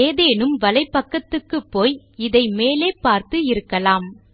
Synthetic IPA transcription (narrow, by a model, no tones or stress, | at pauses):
eːðeːnɯmʋɐlɐɪpːɐkːɐt̪ːɯkːɯpːoːj | ɪðɐɪmeːleːpaːɾt̪ɯɪɾɯkːɐlaːm